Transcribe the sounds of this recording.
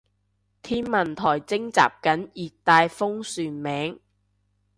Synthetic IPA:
t̪ʰiː˥nmɐ˨˩nt̪ʰɔː˨˩jt͡sɪ˥ŋt͡sa̰ː˨p̚kɐ˨˥njiː˨t̚t̪ːaː˧jfʊ˥ŋsyː˨˧nmɛː˨˥ŋ

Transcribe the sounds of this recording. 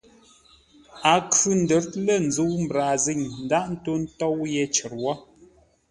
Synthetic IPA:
a˨kʉ˨n̩˨də˨˦ɾtlə˦˨n̩˨zu˨˦wm̩˨bɾa˨zi˦˨ŋn̩˨da˦ʔn̩˦to˦n̩˦tɔ˦wjɛ˦t͡ʃə˨ɾwɔ˦

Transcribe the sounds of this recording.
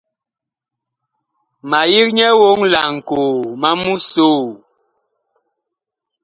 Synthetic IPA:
ma˨ji˦k̚ɲɛ˦wo˦ŋla˨ŋ̩˨ko˨ma˦mu˦so˦˨

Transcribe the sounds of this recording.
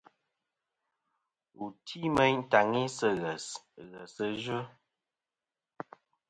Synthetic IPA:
u˨tʰi˦mə˦ɲ˦ta˨ŋi˦sə˦˨ɣə˨sɣə˨sə˦ʒə˦

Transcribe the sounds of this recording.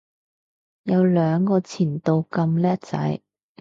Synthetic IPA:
jɐ˨˧wlœː˨˧ŋkɔː˧t͡sʰiː˨˩nt̪o˨˧wkɐ˧mlɛː˥t̚t͡sɐ̰˨˥j

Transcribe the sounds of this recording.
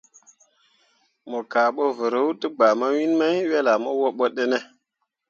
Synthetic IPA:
mo˨ka˨ɓo˦və˨ɾə˦wtə˦ɡ͡ba˨ma˦wi˦nma˦jwe˦la˨mo˦wo˦ɓo˦ɗe˦ne˦

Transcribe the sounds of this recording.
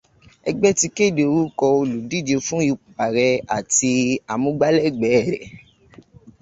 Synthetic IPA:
ɛ˧ɡ͡bɛ˦ti˧ke˦˨de˨o˨ɾu˦kɔ˧o˧lu˨di˦˨d͡ʒe˧fũ˦ji˧k͡pu˨pa˨ɾɛ˧a˨ti˧a˨mũ˧˦ɡ͡ba˦lɛ˦˨ɡ͡bɛ˨˦˨ɾɛ˨

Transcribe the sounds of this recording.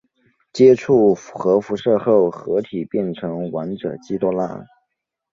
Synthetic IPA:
t͡ɕjɛ˥ʈ͡ʂʰu˥˩xɤ˧˥fu˧˥ʂɤ˥˧xo˥˩ʊxɤ˧˥t̪ʰi˨˩pjɛ˥˩nʈ͡ʂʰɤ˧˥ŋwa˧˥nʈ͡ʂɤ̰˨˩t͡ɕi˥t̪wɔ˥la̰˥˩

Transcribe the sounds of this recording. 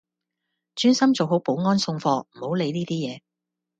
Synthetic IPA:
t͡ʃyː˥nsɐ˥mt͡so˨wɦo˨˥wpo˨˥wŋɔː˥nsʊ˧ŋfɔː˧m̩˨˩ho˨˥wle˨˧jniː˥t̪iː˥jɛː˨˧

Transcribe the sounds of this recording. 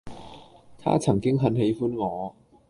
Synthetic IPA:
t̪ʰa̰ː˥t͡sʰɐ˨˩ŋkɪ˥ŋɦɐ˨˧˥nɦe˨˧jfuː˥nŋɔː˨˧

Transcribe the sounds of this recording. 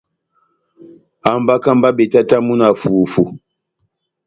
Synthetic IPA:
a˨m˨ba˦ka˦˨mba˦be˨ta˦ta˦mu˦na˨fu˨fu˨

